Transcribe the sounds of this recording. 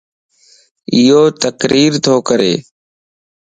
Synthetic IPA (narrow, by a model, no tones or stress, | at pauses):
ɪjoːt̪əkɾʔiːɾt̪ʰoːkəɾḛː